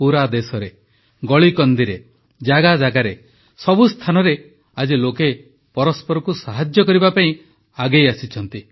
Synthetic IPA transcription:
puɾad̪esɔɾe | ɡɔɭikɔnd̪iɾe | d͡ʒaɡad͡ʒaɡaɾe | sɔbust̪ʰanɔɾe | ad͡ʒiloke | pɔɾɔspɔɾɔkusaɦad͡ʒjɔkɔɾibapaĩ | aɡejasit͡ʃʰɔnt̪i

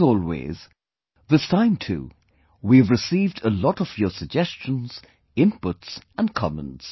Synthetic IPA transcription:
ɔlˠwḛz̥ | ðɪstʰãɪ̃mtʰṵ | wiɨvɹɨsivdəlɔɾʌv̥jə˞səɡ̚d͡ʒɛst͡ʃə̃n̩z̥ | ɪ̃npʊtsə̃nkʰɑmə̰̃nts

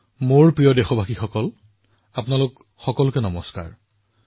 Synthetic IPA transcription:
moɹpɹijɔdexɔbʱaxixɔkɔl | apʊnalʊk | xɔkɔlʊkɛnɔmɔska̰ɹ

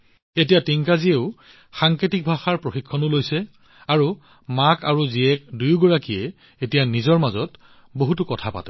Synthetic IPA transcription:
etijatiŋkazieʊ | xaŋketik̚bʱaxaɹpɹoxikʰːɔnʊlojsɛ | aɹu | makaɹuziɛk̚dujɡɔɹakiɛ | etijanizɔɹmazɔt | boɦutʊkɔtʰapa̰tɛ

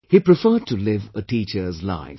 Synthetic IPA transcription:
hipɾɪfəːd̚tʰulɪvəʈiːt͡ʃə˞zla̰ɪ

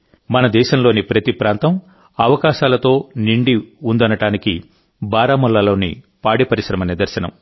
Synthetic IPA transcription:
mɐnɐd̪ɛːʃɐmlo̞ːnipɾɐt̪ipɾaːnt̪ɐm | ɐʋɐkaːʃaːlɐt̪o̞ːniɳɖiund̪ɐnɐʈaːniki | baːɾaːmulːɐlo̞ːnḭ | paːɽipɐɾiʃɾɐmɐnid̪ɐɾʃɐnɐ̰m

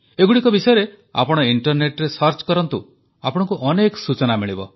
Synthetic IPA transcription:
eɡuɽikɔbisɔjɔɾe | a̰pɔɽ̃ɔiɳʈɔɾneʈɾesʌɾt͡ʃkɔɾɔnt̪u | apɔɽ̃ɔ̃ŋkuʔɔnekɔsut͡ʃɔnamiɭibɔ̰

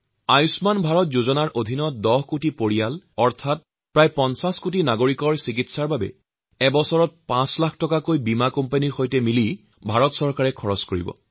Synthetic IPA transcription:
ajusmanbʱaɹɔt̚zuzɔnaɹʔodʱinɔdɔɦkutipoɹijalɔɹtʰat̚ | pɹajpɔnsaskutinaɡoɹikɔɹsik̬itsaɹbabɛ̰ | ɛbɔsɔɹɔt̚pãslakʰtɔkakojbimakɔmpaniɹxojtɛmili | bʱaɹɔtsɔɹkaɹɛkʰɔɹɔskoɹḭbɔ̰

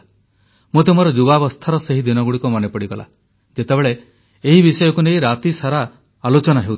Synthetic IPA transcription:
mut̪umɔɾɔd͡ʒubabɔst̪ʰaɾɔseɦid̪inɔɡuɽikɔmɔnepɔɽiɡɔla̰ | d͡ʒet̪ebeɭe | eɦibisɔjɔkunejɾat̪isaɾaː | lot͡ʃɔnaɦew

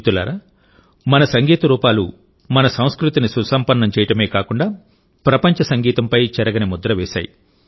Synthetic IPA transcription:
t̪ula̰ːɾaː | mɐnɐsɐŋɡiːt̪ɐɾuːpaːlu | mɐnɐsɐ̃w̃skɾut̪inisusɐmpɐnːɐmt͡ʃɛːjɐʈɐmeːkaːkuɳɖaː | pɾɐpɐɲt͡ʃɐsɐŋɡiːt̪ɐmpɐjt͡ʃɐɾɐɡɐnimud̪ɾɐʋɛːʃa̰ːjḭ

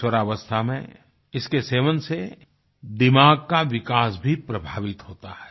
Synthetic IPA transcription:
wəɾaːʋəst̪ʰamḛ̃ | ɪskeseːʋənse | d̪ɪmaːɡ̚kaʋɪkaːsbʱipɾɐbʱaːʋɪt̪ɦoːt̪ahɛː

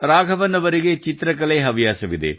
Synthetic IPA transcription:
ɾaːɡʱɐʋɐnːɐʋɐɾiɡet͡ʃit̪ɾɐk̬ɐleɦɐʋijaːsɐʋid̪ḛ

